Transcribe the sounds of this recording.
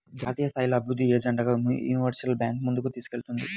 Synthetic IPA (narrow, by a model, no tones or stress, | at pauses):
d͡ʒaːt̪iːjɐst̪ʰaːjloːɐbiɾud̪ʱːieːd͡ʒɐɳɖaɡaːjṵːniʋɐɾsɐlbjaːŋkmund̪ukut̪iːsu̥ke̞lt̪und̪i